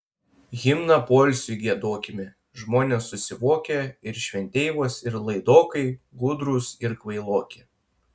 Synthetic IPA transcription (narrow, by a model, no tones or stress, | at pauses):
ɣʲɪmnɐpoːlʲsʲʊɡʲiɛd̪oːkʲɪmʲɪ | ʒmoːnʲeːsːʊsʲɪʋoːkʲeɪɾʃʲʋʲɛnʲt̪ʲeɪʋoːsɪɾlˠɐɪd̪oːkɐɪɡʊd̪ɾuˑsɪɾkʋɐɪlˠoːkʲe